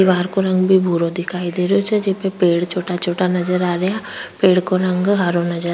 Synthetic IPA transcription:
iʋaːɾkoːɾə̃ŋɡbʱibʱuːɾod̪ɪkʰaːid̪eːɾeot͡ʃɛd͡ʒɪpepeːɽt͡ʃʰoːʈat͡ʃʰoːʈanəd͡ʒəɾaːɾəjaːpeːɽkoɾə̃ŋɡɦaːɾonəd͡ʒəɾ

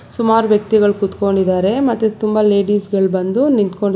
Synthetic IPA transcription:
sumaːɾuʋjɐk̚t̪iɡɐɭkut̪ko̞ɳɖid̪aːɾe̞mɐt̪ːet̪umbɐle̞ːiːsɡɐɭbɐnd̪unint̪ko̞ɳɖ

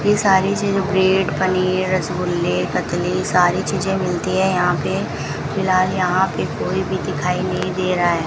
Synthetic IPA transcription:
jesaːɾit͡ʃiːzẽbɾeːɖpɐniːɾːɐsbʊlːekɐt̪lisaːɾit͡ʃiːzẽmɪlt̪iɦɛ̃jɐɦãpe | fɪlaːljɐɦãpekoːibʱid̪ɪkʰaːinɐɦĩd̪eːɾaɦɛː

